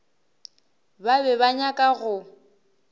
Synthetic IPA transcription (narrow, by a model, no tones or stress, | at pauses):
babɛβaɲakʼaɣʊ